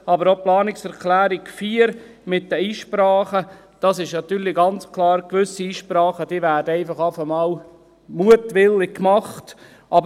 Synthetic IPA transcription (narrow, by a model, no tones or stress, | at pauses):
ɑbəɾoplɑːnɪksɛɾkʰlæːɾɪɡfiːəɾ | mɪt̚d̥əiːʃpɾɑːχə | d̥ɑsɪʃnɑt̪yːɾliɡɑnt͡skʰlˠɑːɾkʋʏsiiːʃpɾɑːχəd̥iːvæːɾdəɛɪfɑχɑːfəmɑːl | muətʋɪlːɪk̚kmɑχt | ʔɑb